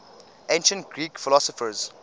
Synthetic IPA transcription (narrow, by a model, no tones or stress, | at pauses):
ʔẽnʃə̃nt̚ɡɹiːkfɪlɔsɔfəz